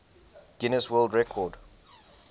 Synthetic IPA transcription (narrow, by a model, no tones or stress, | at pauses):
ɡ̥ɪnəswəːldɹɛkʰɔd